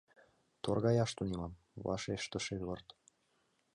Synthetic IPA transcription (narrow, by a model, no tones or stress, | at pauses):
t̪orɣɑjɑʃt̪unimɑm | βɑ̰ʃeʃt̪ə̆ʃet̪βɤ̆rt̪